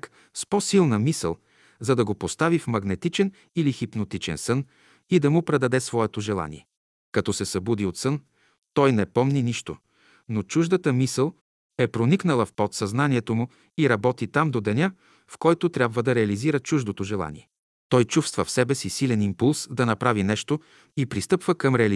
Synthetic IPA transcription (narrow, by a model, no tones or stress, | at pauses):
k | spɔsilˠnəmisə̰lˠ | zɐd̪ɐɡopost̪avifmɐɡnɛt̪it͡ʃɛn | ilixipnot̪it͡ʃɛ̰nsɤn | id̪ɐmʊpɾɛd̪ɐd̪ɛsvɔɛt̪oʒɛlˠa̰nḭɛ | kɐt̪ɔsɛsɐbud̪iot̪sɤn | t̪ɔjnɛpɔmniniʃt̪o̰ | not͡ʃuʒd̪ət̪əmisəlˠ | ɛpɾoniknəlˠəfpot̪sɐznaniɛt̪omu | iɾɐbɔt̪it̪amd̪od̪ɛnʲa | fkɔjt̪ot̪ɾʲjabvəd̪ɐɾɛɐliziɾət͡ʃuʒd̪ot̪oʒɛlˠa̰nḭɛ | t̪ɔjt͡ʃufst̪vəfsɛbɛsisilɛnimpulˠsd̪ɐnɐpɾavinɛʃt̪o | ipɾist̪ɤpvəkɐmɾɛɐli